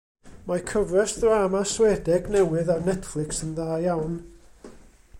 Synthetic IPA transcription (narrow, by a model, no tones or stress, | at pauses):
makʰəvrɛsðraːmaswɛdɛɡnɛwɨðarnɛtflˠɪksənðaːjawn